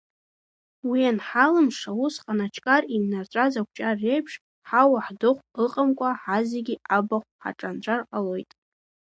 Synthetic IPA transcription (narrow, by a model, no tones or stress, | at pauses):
wianħalɨmʂawusqʼanat͡ʃʰʼkʼarinnart͡ʃʷʼazakʷʰt͡ʃʼarːejpʰʂ | ħawaħdɨχʷɨqʼamkʷʼaħazeɡʲiabaχʷħa̰ʈ͡ʂʼant͡ʃʷʰʼarqʼalo̞jtʼ